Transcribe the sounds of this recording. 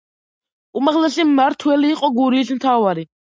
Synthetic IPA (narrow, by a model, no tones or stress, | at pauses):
umaʁlɛsimaɾt̪ʰwɛliːqʼɔɡuɾiːsmt̪ʰavaɾi